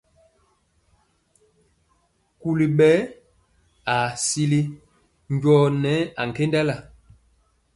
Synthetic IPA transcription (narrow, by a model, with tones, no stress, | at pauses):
ku˦li˨ɓɛ˦ | a˨si˦li˦ | ɲ˦ɟɔ˦nɛ˨˦a˨ŋ̩˨ke˦nda˦la˨